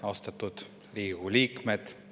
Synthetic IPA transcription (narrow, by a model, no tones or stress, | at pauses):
ɑst̪ɑt̪ːut̪ | riːɡuliːkmet̪